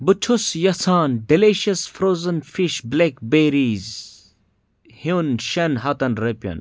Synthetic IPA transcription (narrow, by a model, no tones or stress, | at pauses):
but͡ʃʰusjɐsaːnɖileʃɐsfɾoːzɐnfiʃblekbeɾiz | hinʃɐnɦɐt̪ɐnɾepʲɐ̰n